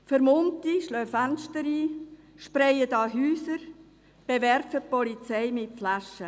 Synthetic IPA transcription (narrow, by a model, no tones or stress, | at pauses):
fəɾmʊntiʃlœːfænʃtəɾiː | ʃpɾɛjədɑːɦyːsəɾ | b̥evɛrfəpɔlit͡sɛɪmɪtflaʃə